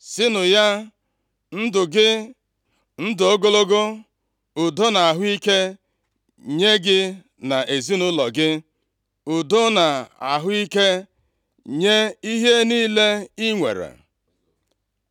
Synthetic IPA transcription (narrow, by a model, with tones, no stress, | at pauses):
sɪ˦nʊ˨ja˦ | n̩˦dʊ˨ɡɪ˦ | n̩˦dʊ˨o˦ɡo˦lo˦ɡo˦ | ʊ˨do˦na˨a˨ɦʊ˦i˦ke˦ | ɲe˦ɡɪ˦ | na˨e˨zi˦nʊ˦lɔ˨ɡɪ˦ | ʊ˨do˦na˨a˨ɦʊ˦i˦ke˦ | ɲe˦i˦ɦe˦niː˦le˦i˦ŋʷḛ˨ɾḛ˨